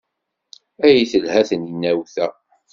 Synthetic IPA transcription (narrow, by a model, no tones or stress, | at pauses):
æjiθəlhæθəninːæwθæ